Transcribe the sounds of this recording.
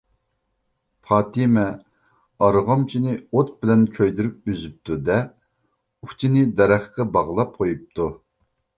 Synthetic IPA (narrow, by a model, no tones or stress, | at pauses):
pʰɑːt̪imɛ | ɑɾʁɑmt͡ʃʰinɪot̪̚bɪlɛnkʲʰøjd̪yɾyp̚yzyp̚t̪ʰud̪ɛ | uχt͡ʃʰinɪd̪ɛɾæχqɛbɑʁlˠɑp̚qʰojup̚t̪ʰu